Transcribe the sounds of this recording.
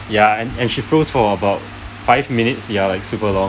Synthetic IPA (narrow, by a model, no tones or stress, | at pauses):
jaɛ̃nɛ̃nʃifɹosfɔəbaʊt̚ | faɪvminɪtsjalaɪksupəlɔ̃